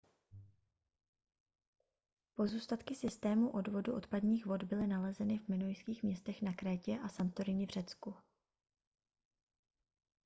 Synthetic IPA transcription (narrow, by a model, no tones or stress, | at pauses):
po̞zuːst̪at̪kɪsɪst̪ɛːmuʔo̞dvo̞duʔo̞t̪padɲiːxvo̞d̪bɪlɪnalɛzɛnɪvmɪnojskiːxmɲɛst̪ɛxnakɾɛːcɛʔasant̪oɾɪɲɪvr̝̥ɛt͡sku